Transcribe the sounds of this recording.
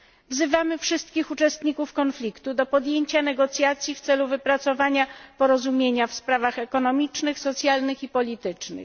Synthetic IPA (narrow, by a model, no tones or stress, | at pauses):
vzɘvamɘfʂɘst̪̚kʲixut͡ʂɛst̪ɲikufkɔnflʲikt̪ud̪ɔpɔd̪jeɲt͡ɕanɛɡɔt̪sʲjat̪sʲjift̪sɛluvɘpɾat̪sɔvaɲapɔɾɔzumʲjeɲafspɾavaxɛkɔnɔmʲit͡ʂnɘxsɔt̪sʲjalnɘxipɔlʲit̪ɘt͡ʂnɘ̰x